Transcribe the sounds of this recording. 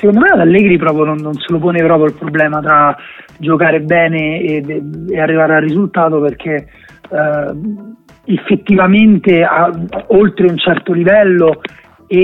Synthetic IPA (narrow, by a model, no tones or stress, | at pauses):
sekond̪omead̪alːɛːɡɾipɾɔːpɾjononːonselop̬oːnepɾɔːpɾjoilpɾoblɛːmat̪ɾad͡ʒokaːɾebɛːneːarːivaːɾearːizult̪aːt̪operk̟ʰe | efːet̪ːivament̪eaolt̪ɾeunt͡ʃɛrt̪olivɛlːo